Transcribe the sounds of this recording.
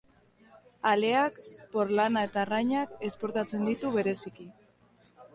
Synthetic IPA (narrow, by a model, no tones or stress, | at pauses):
ale̞akpo̞ɾlanae̞t̪arajɲake̞spo̞ɾt̪at͡se̞nd̪it̪uβe̞ɾe̞siki